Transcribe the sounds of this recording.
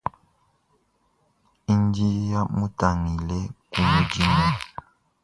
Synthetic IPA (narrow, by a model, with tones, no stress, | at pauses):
i˦n˦di˦ja˦mu˦ta˨ŋi˨lɛ˦ku˨mu˨d͡ʒi˦ma˦